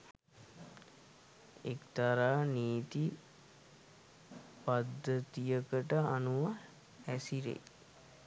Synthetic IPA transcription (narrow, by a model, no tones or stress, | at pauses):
ekt̪aɾaːniːt̪i | pad̪ːət̪ijəkəʈəanuʋa | æsiɾḛ